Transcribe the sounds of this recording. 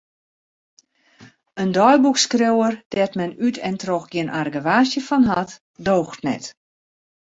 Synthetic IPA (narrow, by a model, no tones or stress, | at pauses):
əndɔjbukskrewərd̥ɛtmɛnytʰɛntroxɡjɪənʔarɡəʋaːsjəfɔnɦat | doːxtnɛ̰t